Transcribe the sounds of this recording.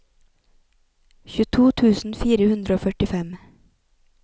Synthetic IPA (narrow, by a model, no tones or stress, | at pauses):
çʉːt̪ʰuːt̪ʰʉːsn̩fiːɾəhʉnd̪ɾəoːfœʈɪfɛm